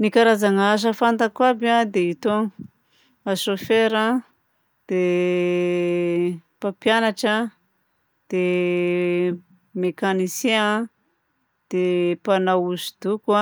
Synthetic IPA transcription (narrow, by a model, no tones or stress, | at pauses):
nikaɾazaŋaʃ̬əfant̪akwabiad̪eit̪o | aʃofeɾa | d̪̥e | papjanaʈ͡ʂə | d̪̥e | mekanisea | d̪̥epanauzid̪̥ukua